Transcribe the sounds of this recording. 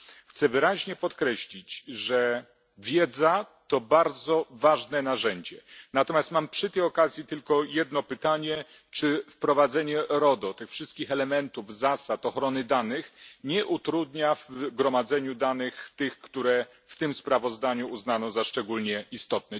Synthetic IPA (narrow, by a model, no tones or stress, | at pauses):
xt̪sɛvɘɾaʑɲɛpɔt̪kɾɛɕlʲit͡ɕʐɛ | vʲjɛd̪zat̪ɔbaɾd̪zɔvaʐnɛnaʐɛɲd͡ʑɛnat̪ɔmʲjast̪mampʂɘt̪ɛjɔkazʲjit̪ɘlkɔjɛd̪nɔpɘt̪aɲɛ | t͡ʂɘfpɾɔvad̪zɛɲɛɾɔd̪ɔt̪ɘxfʂɘst̪kʲixɛlɛmɛnt̪uvzasat̪ɔxɾɔnɘd̪anɘxɲɛʔut̪ɾud̪ɲavɡɾɔmad̪zɛɲud̪anɘxt̪ɘxkt̪uɾɛ | ft̪ɘmspɾavɔzd̪aɲuːznanɔ̃zaʂt͡ʂɛɡulɲɛʔist̪ɔt̪̚nɛ